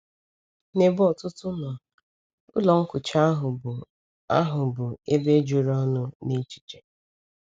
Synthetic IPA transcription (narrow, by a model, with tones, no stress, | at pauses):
ne˨bɔ˨tʊ˦tʊ˦nɔ˨ | ʊ̰˦lɔ˨ŋ̩˦kʊ˨t͡ʃa˦ɦʊ˨bʊ˨ | a˦ɦʊ˨bʊ˨e˦be˦d͡ʒu˨ɾɔ˦nʊ˦ne˦t͡ʃi̥˨t͡ʃe̥˨